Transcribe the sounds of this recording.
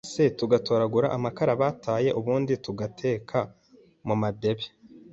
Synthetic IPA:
setuɡatoːɾaɡuɾa̰ʔamakaɾaβaːtʰaːje̞ʔuβuːndituɡatʰe̞ːkʰa | mumade̞βe

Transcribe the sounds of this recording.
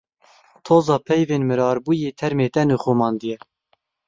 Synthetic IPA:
t̪ʰoːzɑːpʰɛjveːnmɨɾɑːɾbuːjeːt̪ʰɛɾmeːt̪ɛnuxumɑːnd̪ɨjɛ

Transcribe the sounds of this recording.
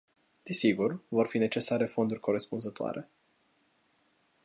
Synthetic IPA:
d̪̥isiɡurvo̞rfine̞t͡ʃe̞saɾe̞fo̞nd̪urʲkʰo̞ɾe̞spunzət̪oa̰ɾʔe̞

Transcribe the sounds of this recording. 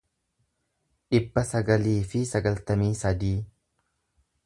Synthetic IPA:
ᶑɪbːɐsɐɡɐliːfɪsɐɡɐlt̪ɐmiːsɐd̪iː

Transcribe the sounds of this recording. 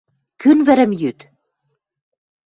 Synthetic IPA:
kynvɘ̆ɾɘ̆mjyt̪

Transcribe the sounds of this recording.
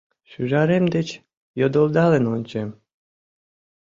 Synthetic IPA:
ʃyʒɑɾemd̪et͡ɕ | jod̪olˠd̪ɑlenonʲt͡ɕem

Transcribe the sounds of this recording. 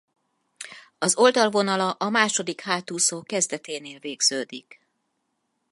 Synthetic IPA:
ɒzo̞ld̪ɒlvo̞nɒlɒʔɒmaːʃo̞d̪ikhaːt̪uːsoːkɛzd̪ɛt̪eːneːlveːɡz̥øːd̪ik

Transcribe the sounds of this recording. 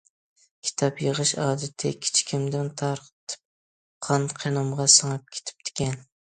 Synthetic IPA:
kʲʰi̥t̪ʰɑpjəʁɨʃɑːd̪ɨt̪ʰɪkʲʰi̥t͡ʃʰi̥kʲʰimd̪ɪnt̪ʰɑɾqt̪ʰɨ̥p̚ | qʰɑnqʰenɑmʁɑsɨŋɨp̚kʲʰe̥t̪ʰɪ̥p̚d̪ʰɪ̥kʲɛn

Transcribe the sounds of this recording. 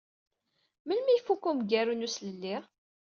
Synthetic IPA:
məlmijfukːumɡæɾunusləlːi

